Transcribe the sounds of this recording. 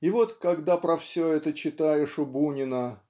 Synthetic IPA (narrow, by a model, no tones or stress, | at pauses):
ɪvo̞t̪kɐɡd̪apɾɐfsʲɵɛt̪ət͡ɕɪt̪ajɪʂʊbunʲɪnə